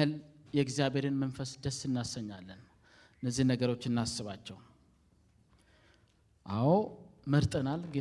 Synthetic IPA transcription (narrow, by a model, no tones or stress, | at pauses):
ɨljɛɡzijaβe̞ɾenmənfəsd̪əsɨnːasəɲːalːən | ɨnːəzːihnəɡəɾo̞t͡ʃːɨnːasːɨβat͡ʃːɛw | ʔawməɾt̪ʼənalɡe